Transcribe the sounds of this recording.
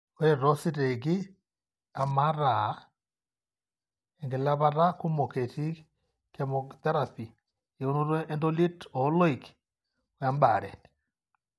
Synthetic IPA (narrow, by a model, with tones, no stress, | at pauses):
o˦ɾe˨ɾɔ˦si˦ɾe˨ɡi˦ | a˨ma˦ɾa˨˦ | ɛ˨ŋɡe˨la˦βa˦ɾa˦ku˦mo˨ke˨ti˦ | kɛ˦mɔ˨t̪ɛ˦ɾa˨pi˨ | e˨o˦no˦ɾwɛ˦ʔːndo˦li˦tɔ˨˦lɔ˦i˨k | o˨ja˦mba˨ɾɛ̰˨